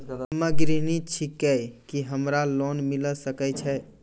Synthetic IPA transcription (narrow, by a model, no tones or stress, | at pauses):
məɡɾinit͡ʃʰikɛjkiɦəmɾalonmiləsəkɛt͡ʃʰɛ